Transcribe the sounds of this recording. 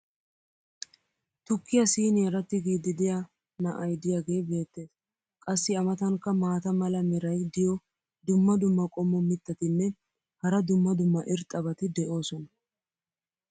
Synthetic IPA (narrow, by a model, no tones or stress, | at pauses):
t̪ʊkːɪjɐsiːneɛɾɐt̪ːɪɡiːd̪ɪd̪ɪja | nɐʔɐjd̪ɪjaːɡe̞ːbe̞ːt̪ːe̞ːs | kʼɐsːɪɐmɐt̪ɐŋkːɐmaːt̪ɐmɐlɐmɛɾɐjd̪ɪjɔ | d̪ʊmːɐd̪ʊmːɐkʼɔmːɔmɪt̪ːɐt̪ɪnːɛ | hɐɾɐd̪ʊmːɐd̪ʊmːɐʔɪɾt̪ʼːɐbɐt̪ɪd̪ɛʔo̞ːsɔnɐ